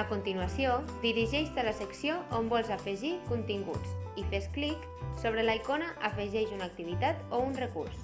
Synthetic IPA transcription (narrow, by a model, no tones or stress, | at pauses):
əkunt̪inuasiod̪iɾiʒɛʃt̪ələsəksioʔombɔlˠzafəʒikunt̪iŋɡṵt͡sifesklik | soβɾəlajkonəʔəfəʒɛʃunak̚t̪iβ̞it̪at̪ounrəkurs